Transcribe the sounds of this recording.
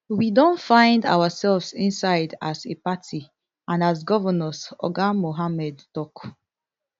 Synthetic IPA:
widɔ̃ntfãɪ̃nda̰wasɛlvsĩnsaɪdasepatʰi | ãnas̬ɡɔvənɔsɔ̰ɡamoɦamɛdtɔk

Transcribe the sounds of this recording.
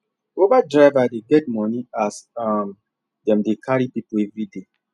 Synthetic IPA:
ovadɹavadeɡɛt̚mɔniasam | dɛ̃mdekʰaɹipipoɛvɹide

